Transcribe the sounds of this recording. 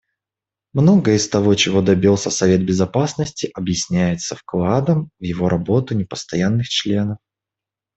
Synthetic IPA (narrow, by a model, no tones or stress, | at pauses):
mno̞ɡəɪst̪ɐvo̞t͡ɕɪvo̞d̪ɐbʲilˠsʲəsɐvʲe̞t̪̚bʲɪzɐpasnəsʲtʲɪʔɐbjɪsʲnʲæjɪt̪səfklˠad̪əmvjɪvo̞ɾʔɐbo̞t̪ʊnʲɪpə̥st̪ɐjanːɨxt͡ɕlʲe̞nəf